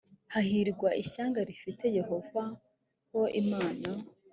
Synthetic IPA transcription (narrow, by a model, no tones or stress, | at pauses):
hahiɾɡwaʔiɕaːŋɡaɾifite̞je̞ho̞va | ho̞imaːna